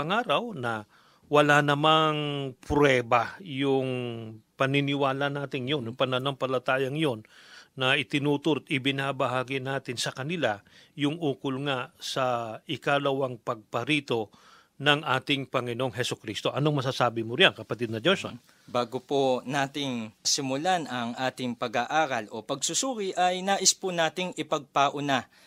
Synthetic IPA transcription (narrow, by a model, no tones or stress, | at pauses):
pɐŋaːɾɐwnɐ | wɐlanɐmaŋpɾɛːbajʊŋpɐnɪnɪwaːlɐnaːt̪ɪŋjonjʊŋpɐnɐnompɐlɐt̪aːjɐŋjo̞nːɐʔɪt̪ɪnuːt̪ʊɾt̪ɪbɪnabɐɦaːɡɪnaːt̪ɪnsɐkɐnɪlajʊŋuːkʊlŋasɐɪkaːlɐwaŋpɐɡ̚pɐɾiːt̪o̞ | nɐŋʔaːt̪ɪŋpɐŋɪnoŋɦɛsʊkɾist̪oʔɐnoŋmɐsasaːbɪmʊɾɪjaŋkɐpɐt̪ɪd̪̚nɐd͡ʒoso̰n | baːɡʊponaːt̪ɪŋsɪmʊlanɐŋʔaːt̪ɪŋpɐɡaʔaːɾɐlʔo̞̰pɐɡ̚sʊsuːɡɪʔɐjnaːʔɪspʊnaːt̪ɪŋɪpɐɡ̚paʔʊna